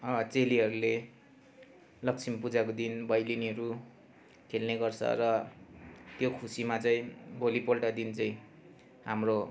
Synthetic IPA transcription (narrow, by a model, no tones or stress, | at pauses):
ʌbʌt͡seliɦʌɾule | lʌkt͡sʰimpud͡zakod̪inbʌjliniʌɾu | kʰelneɡʌrt͡sʰʌ̰rʌ | t̪jokʰusimat͡sʌĩbʱolipolʈad̪int͡sʌĩ | ɦamro